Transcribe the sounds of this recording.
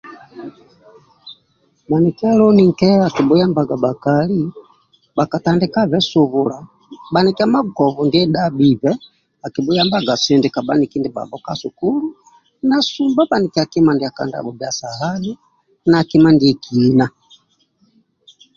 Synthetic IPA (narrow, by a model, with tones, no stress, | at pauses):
ba˨ni˨ki˦a˦lɔ˦ni˦ŋ̩˨kɛ˦a˨ki˨bu˦ja˦mba˨ɡa˨ba˨kali˦ | ba˨ka˨ta˦ndɛ˦ka˦vɛ˦su˨βula˨ | ba˨niki˦a˦ma˦kɔ˨vu˨ndi˦ɛ˦ɗa˦bi˨bɛ˦ | a˨ki˨bu˦ja˦mba˦ɡa˨sɛ˨ndi˨ka˨ba˦ni˨ki˦ndi˨ba̰˨bɔ˦ka˦su˨ku˦lu˦ | na˨sumba˦ba˨ni˨kia˨ki˦ma˨ndia˨ka̰˨nda̰˨bɔ˨bja˨sa˨ɦa˦li˦ | naː˨ki˦ma˦ndi˨ki˦na˨